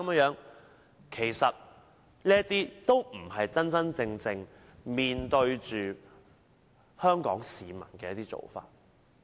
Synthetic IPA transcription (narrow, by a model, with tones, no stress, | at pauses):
m˨˥jœː˨˥ŋ | kʰe˨˩jsɐ˨t̚ | niː˥ət̪iː˥t̪o˥wm̩˨˩hɐ˨jt͡sɐ˥nt͡sɐ˥nt͡sɪ˧ŋt͡sɪ˧ŋ | miː˨nt̪ɵ˧ɥt͡ʃyː˨ | hœː˥ŋkɔː˨˥ŋsiː˨mɐ̰˨˩nkɛː˧jɐ˥t̪iː˥t͡so̰˨wfa̰ː˧t̚